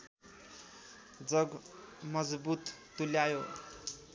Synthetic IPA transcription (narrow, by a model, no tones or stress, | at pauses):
d͡zʌɡmʌd͡zbut̪ːuljajo